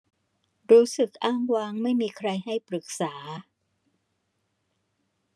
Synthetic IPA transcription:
ɾuː˦˥sɯ˨˩k̚ʔaː˥˩ŋwaː˧˥ŋma˥˩jmiː˧kʰɾa˧jɦa˥˩jpɾɯ˨˩k̚saː˩˦

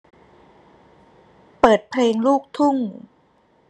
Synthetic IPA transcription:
pɤː˨˩t̪̚pʰleː˧ŋluː˥˩k̚t̪ʰu˥˩ŋ

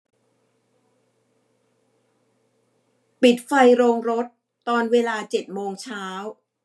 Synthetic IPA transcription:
pi˨˩t̪̚fa˧jɾoː˧ŋɾo˦˥t̪̚ːɔː˧nweː˧laː˧t͡ɕe˨˩t̪̚moː˧ŋt͡ɕʰaː˦˥w

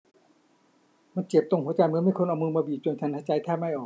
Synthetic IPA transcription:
ma˧˥˨nt͡ɕe˨˩p̚t̪o˧˩ŋhu˦ət͡ɕa˧jmɯ˧˦˥ma˧˥˩jkʰo˧nʔwmɯː˧mɔː˧biː˨˩t͡ɕu˧ənt͡ɕʰa˧˩nt̪ʰa˧˩t͡ɕa˧jt̪ʰaː˥˩ma˥˩˨jʔɔː˨˩

